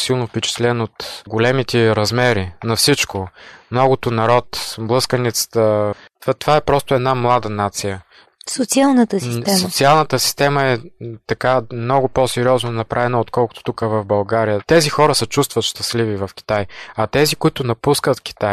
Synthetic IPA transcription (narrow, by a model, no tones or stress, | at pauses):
silˠnofpɛt͡ʃɛ̥t̪lɛnot̪ɡolɛmit̪ɛɾɐzmɛɾinɐfsit͡ʃkomnɔɡʊt̪onɐɾɔt̪blˠɤskənɛt̪sə̥t̪ə | t̪at̪ovaɛpɾɔst̪ʊɛd̪namlˠad̪ənat̪sijə | sot̪sialˠnət̪əsiɛsot̪sialˠnət̪əsi̥st̪ɛməɛt̪ɐkamnɔɡʊpɔsɛɾiɔznonɐpɾʔavɛnɐot̪kɔlˠkʊ̥t̪o̥t̪ukəvɐvbɐlˠɡaɾijət̪ɛzixɔɾəsət͡ʃust̪vət̪ʃt̪ɐslivivɐfkʲi̥t̪ajɐt̪ɛzikʊit̪ʊnɐpuskət̪k̟i̥t̪aj